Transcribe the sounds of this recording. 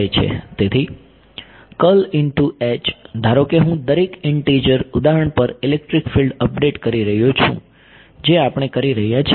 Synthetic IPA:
jt͡ʃʰḛt̪et̪ʰi | kəlɪɳʈuɛt͡ʃd̪ʱaɾokeɦũd̪əɾekɪɳʈed͡ʒəɾud̪aɦəɳpəɾilek̚ʈɾikfilɖəp̚ɖeʈkəɾiɾəɦjõt͡ʃʰṵ̃ | d͡ʒeapəɽ̃ekəɾiɾəɦjat͡ʃʰ

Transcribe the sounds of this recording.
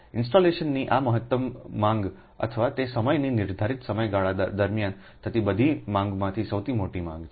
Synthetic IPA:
ɪnsʈoleʃənːiʔaməɦət̪ːəmːãŋɡ | ə̰t̪ʰəʋat̪esəməjninɪɾd̪ʱaɾit̪səməjɡaɭad̪əɾmjan | t̪ət̪ibəd̪ʱimãŋɡmãt̪ʰisəwt̪ʰimoʈimã̰ŋɡ

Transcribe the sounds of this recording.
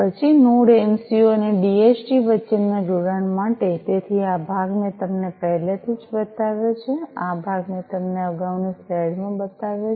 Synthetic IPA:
pət͡ʃʰinoɽemsioəneɖiet͡ʃʈiʋət͡ʃənːad͡ʒoɽaɳmaʈet̪et̪ʰiabʱaɡnet̪əmnepəɦɛlet̪ʰid͡ʒbət̪aʋjot͡ʃʰeabʱaɡnẽt̪əmneəɡaʋniseɽmãbət̪aʋjo

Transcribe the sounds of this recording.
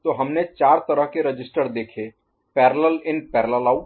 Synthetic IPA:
t̪oɦɐmnet͡ʃaːɾt̪ɐɾəɦkeɾɐd͡ʒɪsʈəɾd̪eːkʰeː | pɛːɾələlɪnpɛːɾələlaːu

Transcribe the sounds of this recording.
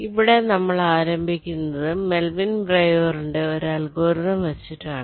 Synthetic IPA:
iʋiɽe̞nɐmːɐɭaːɾɐmbʱikʲːunːɐðɨme̞lʋinbrejoːruɳɖɨoɾuɐlɡoːrðɐmʋɐt͡ɕːiʈːɨaːɳɨ

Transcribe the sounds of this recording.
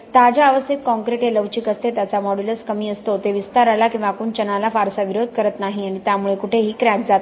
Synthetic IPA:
t̪ad͡ʑaːʋəsit̪̚kɔ̃ŋkɾeʈeləʋt͡ɕiːkəst̪ʰet̪jat͡samɔɽuləskəmiːəst̪ot̪eʋist̪aɾalakĩw̃ʋakuːnt͡ɕənalafaɾsaʋiɾod̪̚ʱkəɾət̪naɦiaɽ̃it̪jamuɭekuʈʰeɦiːkɾakd͡zat̪

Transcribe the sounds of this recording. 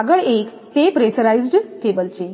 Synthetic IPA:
aɡəɭek | t̪epɾesəɾaizɖkebəlt͡ɕe

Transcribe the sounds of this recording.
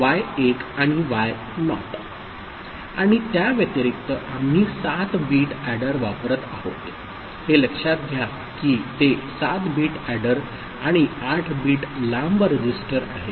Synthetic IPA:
ʋajekaɽ̃iʋaj | nɔ̰t̪ | aɽ̃it̪jaʋjət̪əɾik̚t̪əʔam̤niːsat̪biːʈæɽəɾʋapəɾət̪a̰ɦo̰t̪ | heləkʂat̪̚ɡʱja | kiːt̪esat̪biːʈæɽəɾ | aɽ̃iaʈʰbiːʈlambəɾed͡ʑisʈəɾa̰ɦe

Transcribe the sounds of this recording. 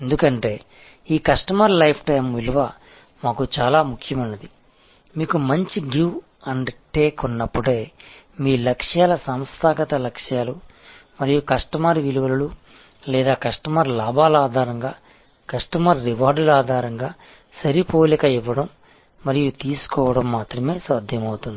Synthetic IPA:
end̪ukɐɳʈe̞ː | iːkɐsʈɐmɐɾlɐjpʰʈɐjmʋiluʋɐ | maːkut͡ʃaːlaːmukʰjɐmɐnːɐd̪i | miːkumɐɲt͡ʃiɡuʋ | ɐɳɖʈeːkunːɐpːuɽe̞ː | miːlɐkʂjaːlɐsɐmst̪ʰaːɡɐt̪ɐlɐkʂjaːlumɐɾijukɐʂʈɐmaːɾʋiluʋɐlɐlu | lɛːd̪aːkɐʂʈɐmaːɾlaːbaːlaːd̪ʱaːɾɐŋɡaː | kɐʂʈɐmaɾːiʋaːɾɖulaːd̪ʱaːɾɐŋɡaː | sɐɾipoːlikɐiʋːɐɽɐmː | ɐɾijut̪iːsu̥kɔːʋɐɽɐmːaːt̪ɾɐme̞ːsʋaːd̪ʱjɐmɐwut̪und̪i

